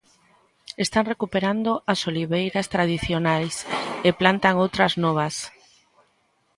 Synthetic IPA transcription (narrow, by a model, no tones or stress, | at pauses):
est̪aŋrekupeɾand̪oʔasoliβejɾast̪ɾað̞iθjonajseplant̪aŋowt̪ɾaznɔβ̞ɐs